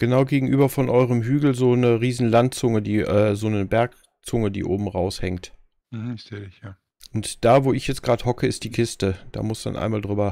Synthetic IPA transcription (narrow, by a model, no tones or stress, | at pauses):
ɡ̥ənaʊɡeːɡŋ̩ʔyːbɐfɔnʔɔʏʁəmɦyːɡl̩zoːnəʁiːzn̩lantt͡sʊŋədiːʔɛːzoːnəbɛɐk | t͡sʊŋədḭːʔoːbm̩ʁaʊshɛŋt | m̩h̩ɪz̥eːdɪçjaː | ʔʔʊntd̥aːvoːɪçjɛt͡sɡ̥ʁaːdəhɔkʰəɪstd̥iːkʰɪstəd̥a̰ːmʊsd̥a̰nʔa̰ɪnmaːldʁyːbɐ